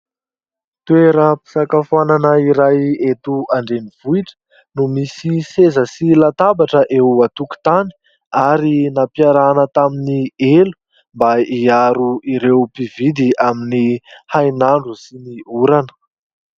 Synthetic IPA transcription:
t̪ueɾəpi̥sakafananəiɾajet̪uaɳɖ͡ʐeniv̥uiʈ͡ʂə̥ | numisisezəsilat̪abaʈ͡ʂəʔeuat̪uki̥t̪ani̥ | aɾinapiaɾanət̪aminielu̥ | mbaiaɾuiɾewpivid̪iaminihajnaɳɖ͡ʐusiniuɾanə̥

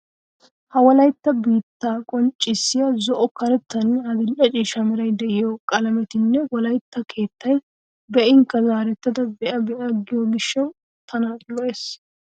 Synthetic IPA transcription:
hɐwɔlɐjt̪ːɐbiːt̪ːaːkʼɔnt͡ʃʼːɪsːɪjɐzɔʔɔkɐɾɛt̪ːɐnɐd̪ɪlʔɐt͡ʃʼiːʃɐmɪɾɐjd̪ɛʔɪjokʼɐlɐmɛt̪ɪnːɛwɔlɐjt̪ːɐkʰe̞ːt̪ːɐj | bɛʔɪŋkːɐzaːɾɛt̪ːɐd̪ɐbɛʔɐbɛʔɐɡɪjoɡɪʃːɐw | t̪ʰɐnɐlɔʔes

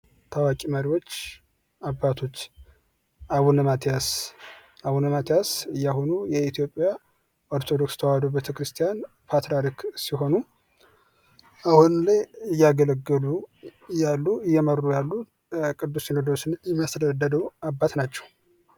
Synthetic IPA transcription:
t̪ʰawakʼiməɾiwo̞t͡ʃː | abːat̪ʰot͡ʃː | awunmat̪ʰijas | awunɨmat̪ʰijasɨjːaɦonujɛit̪ʰijo̞pʼːija | ʔoɾt̪ʰod̪okst̪ʰəwad̪obet̪ʰəkɾɨst̪ʰijan | pʰat̪ɾaɾiksiɦo̞nu | ʔahunlajɨjːaɡələɡːɨlujalːuɨjːɛməɾːujalːu | kʼɨd̪ːusjɛnod̪ɾosnjɛmasɾəd̪ːəd̪əwabːat̪nat͡ʃːɛ̥w

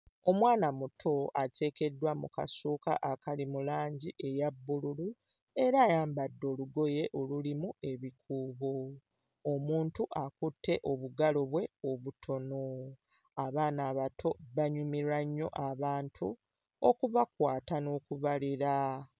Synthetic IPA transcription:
o̞mwaːnamutʰo̞ʔace̞ːke̞dːwamṵka̰suːka̰ʔakalimulaːɲɟiʔe̞jabːululu | e̞ɾaːjaːmbadːo̞ːluɡo̞je̞ʔo̞lulimue̞βikʰuːβo̞ː | muːntuʔakutːe̞ʔo̞βuɡalo̞βwe̞o̞βutʰo̞no̞ | aβaːnaːβatʰo̞βaɲumiɾaɲːo̞̰ʔaβaːntʰu | okuβakwaːtano̞ːkuβaliɾa

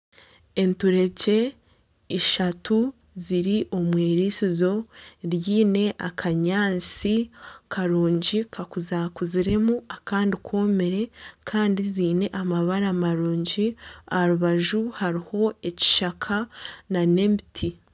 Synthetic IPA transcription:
entuɾe̞ɟe̞ | iʃatu | ziɾiʔo̞mweːɾisizo̞ɾjiːne̞ʔakʰaɲaːnt͡sikʰaɾuːɲɟikʰakuzakuziɾe̞muakaːndikwo̞ːme̞ɾe̞kʰaːndiziːne̞ʔamaβaɾamaɾuːɲɟiaaɾuβaʒuhaɾiho̞eci̥ʃakʰananembitʰi

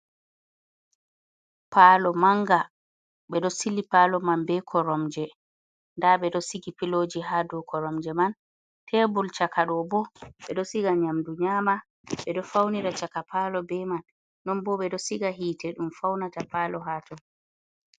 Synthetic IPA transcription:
paːlɔmaŋɡa | ɓɛɗɔsilipaːlɔmanbɛkʰɔɾɔmd͡ʒɛ | ndaɓɛɗɔsiɡipilod͡ʒiɦadɔkɔɾɔmd͡ʒɛman | tʰɛbult͡ʃakaɗɔbɔɓɛɗɔsiɡaɲamduɲama | ɓɛɗɔfawniɾat͡ʃakapʰalɔbɛmanː | ɔnbɔɓɛɗɔsiɡaɦiːtɛɗumfawnatapalɔɦatɔ

